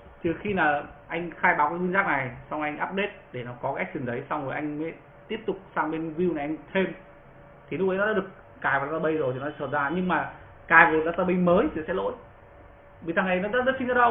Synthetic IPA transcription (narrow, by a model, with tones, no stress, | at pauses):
t͡ɕɨ˨˩əxi˧naː˨˩ʔa˧jŋ̟xaː˧jɓaː˨˦wkaː˨˦t̪ʰɨ˧ŋzaː˦˥k̚na˨˩jsɔ˧ŋ͡mʔa˧jŋʔaː˦˥p̚ɗe˦˥t̚ɗe˧˩nɔ˨˦kɔ˨˦kːa˦˥jk̚ti˨˩ŋzə˨˦jsa˧wŋ͡mzo˨˩ʔa˧jŋ̟me˨˦ | t̪i˦˥əp̚t̪ʊ˨˩k͡p̚saː˧ŋɓe˧nvi˧wna˨˩ʔa˧jŋt̪ʰe˧m | t̪ʰi˨˩nʊ˦˥k̚ə˨˦jnɔ˨˦ɗa̰ː˧ɗɨ˨˩ə˩k̚ | kaː˧˩jva˧t̪a˧ɓə˧jzo˨˩jt̪ʰɔ˨˦˧səː˧˩t̚zaː˧ɲɨ˧ŋmaː˨˩ | kaː˨˩jveː˨˩˨laː˧t̪aː˧ɓə˧jməː˨˦jt̪ʰi˨˩sɛ̰˧˥lo̰˧˥j | vi˧˨˩t̪ʰaː˧ŋʔa˧˩jn˨˦ɗa˦˥zə˦˥t̚si˧ŋzə˨˧˥ɗə˧w